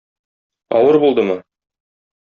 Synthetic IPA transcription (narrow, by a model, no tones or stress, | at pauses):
ɒ̰wɤɾbulˠd̪ɤmɤ